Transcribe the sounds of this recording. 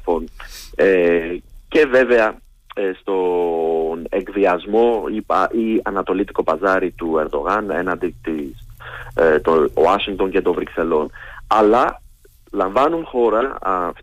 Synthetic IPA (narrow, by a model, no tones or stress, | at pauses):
fone | ce̞ve̞ve̞ɐ | st̪o̞ | neɡðiɐzmo̞ipɐʔiɐnɐt̪o̞lit̪i̥ko̞pɐzɐɾit̪ue̞ɾðo̞ɣɐne̞̰nɐnd̪it̪is | t̪oɐʃiŋt̪o̞nce̞t̪o̞vɾikse̞lo̞nɐlɐ | lɐɱvɐnunxo̞ɾɐf